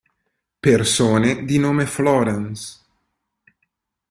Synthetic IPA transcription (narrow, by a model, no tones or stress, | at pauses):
persoːned̪inoːmeflɔːɾɛns